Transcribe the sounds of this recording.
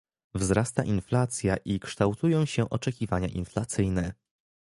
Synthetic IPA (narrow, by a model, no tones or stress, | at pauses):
vzɾast̪a̰ʔinflat̪sʲjaʔikʂt̪awt̪ujɔ̃w̃ɕɛʔɔt͡ʂɛkʲivaɲa̰ʔḭnflat̪sɘjnɛ